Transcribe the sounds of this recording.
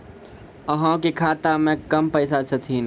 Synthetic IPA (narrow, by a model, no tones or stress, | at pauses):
əɦãkikʰaːt̪amẽkəmpəɪsat͡ʃʰət̪ʰiːn